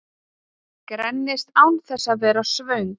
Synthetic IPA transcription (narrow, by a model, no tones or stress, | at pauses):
kɾɛnːɪst̪awnθɛsːaðvɛːɾasvœɥŋ